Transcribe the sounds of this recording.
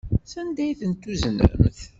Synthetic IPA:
sænd̪æjθənt̪ːuzənə̰mθ

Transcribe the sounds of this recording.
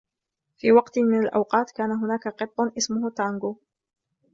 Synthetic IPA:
fiːwɑqt̪mɪnalʔa̰wqɑːt̪kaːnaɦʊnaːkaqɨt̪ˤːʊnʔɪsmʊhʊt̪aŋɡuː

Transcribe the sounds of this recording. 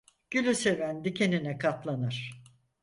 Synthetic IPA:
ɟ̥ylʲyse̞vænd̪icʰe̞ninɛkʰat̪lˠanɯɾ̥

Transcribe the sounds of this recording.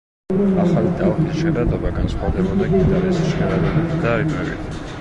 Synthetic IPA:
aχalid̪alχisʃɛɾad̪ɔbaɡansχwad̪ɛbɔd̪aɡid̪aɾɛsʃaɾad̪d̪aɾimɛvḭt̪ʰ

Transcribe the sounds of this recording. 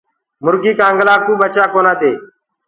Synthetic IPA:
mʊɾɡiːkãːŋɡlaːkuːɓət͡ʃaːkoːnãːt̪eː

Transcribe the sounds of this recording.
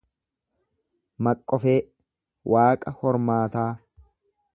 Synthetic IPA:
mɐkʼːɔfeː | wʔaːkʼɐhɔɾmaːt̪aː

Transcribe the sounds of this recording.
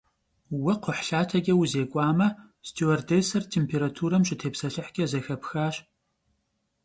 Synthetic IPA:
wɐqʷʰʊħɬaːtʰɐɡʲʼɐwuzeːkʷʼɑːmɐ | stʰowɐrdeːsɐrtʰeːmpʰeːɾatʰuːɾɐmɕʼɪtʰeːpsɐɬɨħɡʲʼɐzɐxɐpxaːɕ

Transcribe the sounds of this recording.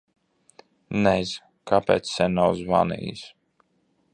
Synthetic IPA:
nɛz | kʰapḛːt̪ssʲɛnʲnawzva̰nḭjḭs

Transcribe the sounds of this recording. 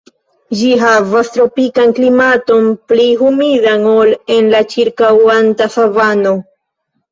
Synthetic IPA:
d͡ʒiɦavastɾo̞pikanklimato̞npliɦumidaŋole̞nlat͡ʃiɾkawantasavano̞

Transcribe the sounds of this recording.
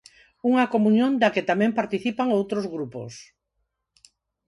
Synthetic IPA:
uŋɐkomũɲjõnd̪akɪt̪amɛ̃mpaɾt̪iθipaŋowt̪ɾozɣɾupo̰s

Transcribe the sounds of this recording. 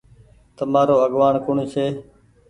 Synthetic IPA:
t̪əmaːɾoːəɠʋaːɳkʊɳt͡ʃʰeː

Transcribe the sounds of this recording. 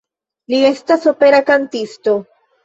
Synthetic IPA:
lie̞staso̞pe̞ɾakantisto̞

